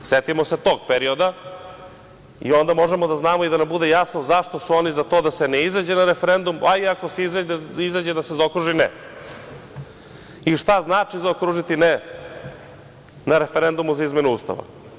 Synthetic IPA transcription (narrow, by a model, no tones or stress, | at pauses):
set̪imo̞se̞t̪o̞ːɡ̚peɾio̞d̪a | ḭo̞nd̪amo̞ʒe̞mo̞d̪aznaːmoid̪anambud̪e̞jasnozaʃt̪o̞suo̞nizat̪o̞ːd̪ase̞neizad͡ʑenaɾe̞feɾe̞nd̪umʔaiako̞seizaizad͡ʑed̪asezaokɾuʒinḛ | iʂt̪aznaːt͡ʃizaokɾuʒit̪ine | naɾe̞feɾe̞nd̪umuzaizme̞nuust̪a̰ʋa̰